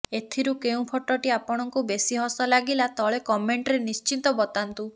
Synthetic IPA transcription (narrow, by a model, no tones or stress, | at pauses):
et̪ʰiɾukeũpʰɔʈɔʈiapɔɽ̃ɔŋkubesiɦɔsɔlaɡilat̪ɔɭekɔmeɳʈɾenist͡ʃint̪ɔbɔt̪ant̪u